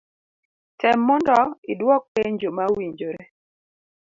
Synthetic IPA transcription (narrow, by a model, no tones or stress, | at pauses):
tɛmːɔndɔɪdwɔk̚peɲd͡ʒomawiɲd͡ʒoɾe